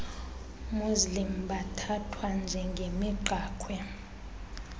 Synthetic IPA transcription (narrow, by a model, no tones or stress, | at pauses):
muzlimɓatʰatʰwand͡ʒʱɛŋɡʱemiɡ͡ǃʱaːkʰwɛ